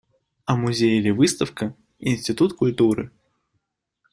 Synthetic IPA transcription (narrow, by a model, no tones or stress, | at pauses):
ɐmʊzʲejɪlʲɪvɨst̪əfkə | ɪ̰nʲsʲtʲɪt̪ut̪kʊlʲt̪uɾɨ̰